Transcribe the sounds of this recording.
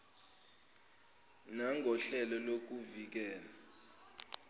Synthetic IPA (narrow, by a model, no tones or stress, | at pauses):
naŋʱɔɬɛlɔlok̬uvik̬ɛːla